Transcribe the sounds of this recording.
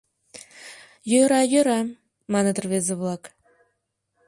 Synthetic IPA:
jøɾɑjøɾɑ | mɑnət̪ərβezeβlɑk

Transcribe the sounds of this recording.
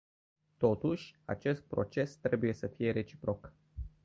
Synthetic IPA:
t̪o̞t̪uʃʲa̰t͡ʃe̞st̪̚pɾo̞̰t͡ʃe̞st̪ɾe̞buje̞səfije̞ɾe̞t͡ʃi̥pɾo̞k

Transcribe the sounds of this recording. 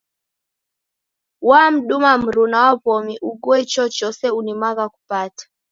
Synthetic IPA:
wam̩ɗumam̩ɾunawapɔmiʔuɡuɛt͡ʃɔt͡ʃɔsɛunimaɣaku̥patḁ

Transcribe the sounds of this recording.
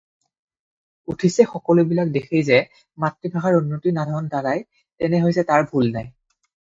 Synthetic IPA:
utʰisɛxɔkɔlʊbilak̚dexʰejzɛ | matɹibʱaxaɹunːotinadʱɔɹɔndadaj | tɛnɛɦojzɛtaɹbʱulnaj

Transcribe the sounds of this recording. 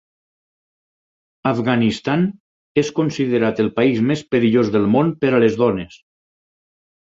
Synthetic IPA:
avɣanist̪an | eskonsiðeɾat̪əlˠpaizmespəɾiʎozðəlˠmonpəɾalezðɔnes

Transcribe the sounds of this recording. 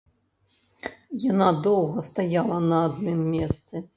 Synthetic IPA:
janad̪ɔwɣɐst̪ajalˠɐnɐːd̪̚nɨmːʲɛst̪sɨ

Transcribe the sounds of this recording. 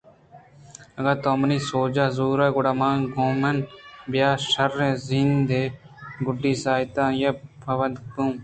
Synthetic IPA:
ɐɡaːt̪oːmɐniːsoːd͡ʒaːzuːɾaːɡʊɽaːmãːɡoːmɐnbjaːʃɐɾːẽːzind̪eː | ɡʊɖiːsaːt̪ãːjɐpʰɐʋɐnkũː

